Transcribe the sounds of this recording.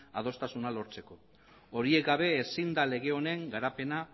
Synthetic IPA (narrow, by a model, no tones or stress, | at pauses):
a̰ð̞o̞st̪asunalo̞ɾt͡se̞ko̞ | oɾie̞kɡaβ̞e̞ːsind̪ale̞ɣ̞e̞o̞ne̞ŋɡaɾape̞na